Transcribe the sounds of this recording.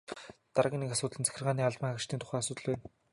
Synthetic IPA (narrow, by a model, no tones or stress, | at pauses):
t̪aɾaɣʲiːnekasʊːt̪̆ɮɘ̆nt͡sʰæ̥xʲɪ̆rʁaːniːaɮpăŋax̆ʃt̪ʰiːnt̪ʊ̥χæːasʊːt̪ə̆ɮpæːn